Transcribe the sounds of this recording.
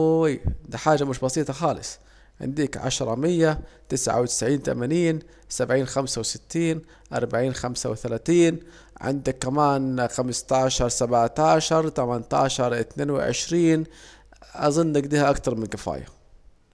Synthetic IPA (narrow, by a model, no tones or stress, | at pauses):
jd̪iːħaːd͡ʒːamʊʃbɑsˤiːt̪ˤɑxɑːlɪ̰sˤ | ʕɪ̰nd̪iːkʕa̰ʃɾˤɑmɪjːat̪ɪsʕa̰wt̪ɪ̥sʕiːnt̪a̰maniːn | sabʕiːnxamsawsɪt̪ːiːn | ʔɑ̰ɾˤbaʕiːnxamsa̰wɪθalaːθiːn | ʕɪ̰nd̪akːamaːnxamst̪aʕʃɑɾˤsabʕt̪aːʃɑɾˤt̪amant̪a̰ʕʃɑɾˤʔɪt̪neːnwɪ̰ʕɪ̰ʃɾiːn | ʔɑzˤɨnːʔaɡd̪iːhaʔakt̪ɑɾˤmɪnkɪfa̰ːja̰